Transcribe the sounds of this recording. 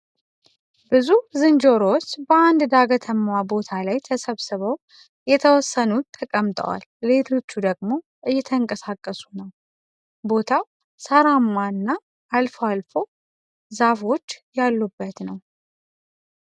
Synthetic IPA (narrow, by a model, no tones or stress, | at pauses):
bɨzuzɨnd͡ʒo̞ɾot͡ʃːbəand̪d̪aɡət̪ʰəmːwabo̞t̪ʰalajt̪ʰəsəβsɨβəw | jɛt̪ʰəwɔsːənut̪ʰːəkʼəmt̪ʼə̰wa̰lːe̞t̪ʰo̞t͡ʃːud̪əɡmo̞ | ʔɨjːɛt̪ʰəŋkʼəsakʼːəsunəw | bo̞t̪ʰaw | səɾamːaɨnːaː | lfalfo̞ | zafo̞t͡ʃːjalːubːət̪nəw